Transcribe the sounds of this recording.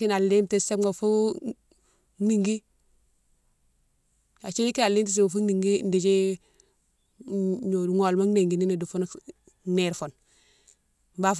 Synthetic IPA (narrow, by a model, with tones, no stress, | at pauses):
i˦na˨lːi˦mte˦˨se˦ŋo˨fu˦ | ni˨ŋɡi˦ | a˨t͡ʃi˦ni˦ki˦na˨lːi˦mt̬e˦s̬e˦o˨fu˦ni˨ŋɡi˦ndi˨d͡ʒi˦ | ɲo˨u˨ŋo˨lma˦ne˨ŋɡi˨ni˦ni˨du˨fu˦n | ne˨ɾfo˨n | mba˦˨f